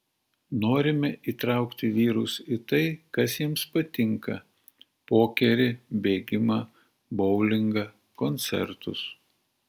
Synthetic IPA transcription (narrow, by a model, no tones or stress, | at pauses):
noːɾʲɪmʲɛʔiːt̪ɾɑˑʊkt̪ʲɪʋʲiːɾʊsɪt̪ɐɪkɐsjɪmspɐt̪ʲɪŋkɐ | poːkʲɛɾʲɪbʲeːɡʲɪmɑ | bɔʊlʲɪŋɡɐ | kɔnʲt̪sʲɛ̰ɾt̪ʊs